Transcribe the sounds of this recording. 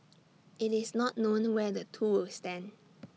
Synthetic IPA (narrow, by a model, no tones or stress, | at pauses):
ɪtɪsnɔtnõnwɛdətʰuwɪlstɛ̃n